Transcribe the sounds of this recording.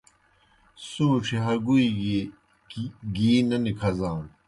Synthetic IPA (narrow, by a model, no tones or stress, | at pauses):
suːʈ͡ʂʰiɦɐɡui | ɡiːnɐnikʰɐzaːn